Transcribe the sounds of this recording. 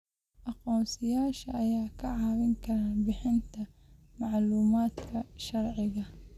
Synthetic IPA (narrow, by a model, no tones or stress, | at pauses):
ʔɑqɔːmsɪjaːʃɐʔɐjaːkʰɐʕɑːwɪŋkʰɐɾaːnbɪħɪnt̪ʰɐ | mɑʕluːmaːd̪kʰɐʃɐrʕɪɣɐ